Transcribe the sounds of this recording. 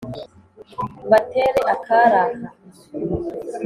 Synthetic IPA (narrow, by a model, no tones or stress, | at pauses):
bateɾɛʔakaɾaha